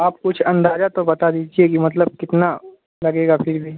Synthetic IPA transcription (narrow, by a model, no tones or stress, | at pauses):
aːp̚kʊt͡ʃʰɐ̃nd̪aːd͡ʒat̪obɐt̪ad̪iːd͡ʒiekimɐt̪̬ləb̚kɪt̪na | lɐɡeːɡapʰɪɾbʱiː